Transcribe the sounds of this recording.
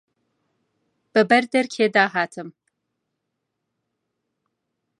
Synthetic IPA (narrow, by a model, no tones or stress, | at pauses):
b̥ɐbɐrdɐrkʲʰeːdaːɦaːtʰɨm